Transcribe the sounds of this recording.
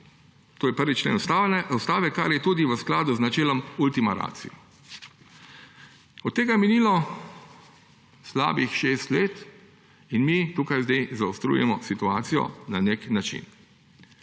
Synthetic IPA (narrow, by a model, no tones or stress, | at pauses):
t̪oːjɛpəɾʋit͡ʃlḛːnsawst̪aːʋɛkaɾjɛt̪uːd̪iʋəsklaːd̪uznat͡ʃeːlɔmult̪imaɾa̰ːt̪sḭjɔ | ɔt̪̚ːeːɡaminilɔ | sla̰ːbixʃeːst̪leːt̪ | inmit̪uːkajzd̪ejzaʊst̪ɾṵjɛ̰mɔsit̪uaːt̪sijɔ̰naneknat͡ʃḭn